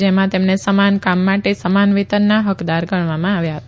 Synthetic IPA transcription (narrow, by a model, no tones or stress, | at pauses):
d͡ʒemãt̪emnesəmankamːaʈesəmanʋit̪ənnːaɦəkd̪aɾɡʱəɳʋamãaʋjaɦət̪a